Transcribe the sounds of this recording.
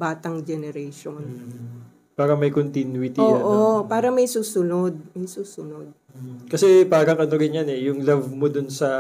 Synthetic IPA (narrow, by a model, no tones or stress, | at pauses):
baːt̪ɐŋd͡ʒɛnɛɾɛjʃon | paːɾɐmɐjkont̪inwɪt̪ioʔopaːɾɐmɐjsuːsʊnod̪̚mɐjsuːsʊnod̪̚ | kɐsɛpaːɾɐŋʔɐno̞ɾɪnjɐnɛjʊŋlɐvmod̪ʊnsɐ